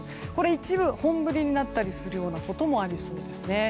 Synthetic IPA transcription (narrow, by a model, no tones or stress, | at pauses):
ko̞ɾe̞it͡ɕibɯ̟hõ̞mbɯ̟ɾʲiɲ̟inat̪ːaɾʲisɨɾɯ̟jo̞ːnako̞t̪o̞mo̞aɾʲiso̞ːd̪e̞sɨne̞